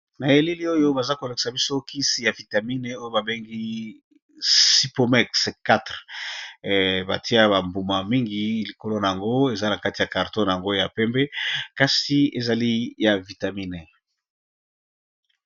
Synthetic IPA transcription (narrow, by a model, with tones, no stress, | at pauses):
na˨e˨li˦li˦o˦jo˦ba˨za˦ko˨lo˨ki̥˨sa˨bi˦so˦kʰi˦si˨ja˨vi˨ta˨mi˦ne˨o˦jo˦ba˨be˦ŋɡi˦ | si˦po˨mɛ˦kska˦tʁ | ba̰˨ti˦a˦ba˨mbu˨ma˨mi˦ŋɡi˦li˨ko˦lo˦na˨a˨ŋɡo˦e˨za˦na˨ka˦ti˨ja˨ka˨ʁtõ˦n˨a˨ŋɡo˦ja˨pɛ˦mbɛ˦ka˦si˨e˨za˨li˦ja˨vi˨ta˨mi˦ne˨